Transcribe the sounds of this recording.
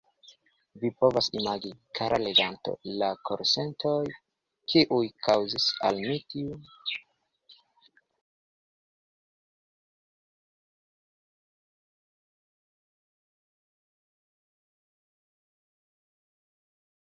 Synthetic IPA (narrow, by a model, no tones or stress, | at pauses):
vipo̞vasimaɡikʰaɾale̞ɡanto̞̰lakʰoɾse̞ntʰoj | kʰiʔujkʰawzisa̰lmitiun